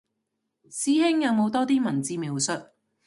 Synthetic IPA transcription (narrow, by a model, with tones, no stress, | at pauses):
siː˥hɪ˥ŋjɐ˨˧wmo˨˧wt̪ɔː˥t̪iː˥mɐ˨˩nt͡siː˧mi˨˧wsɵ˨t̚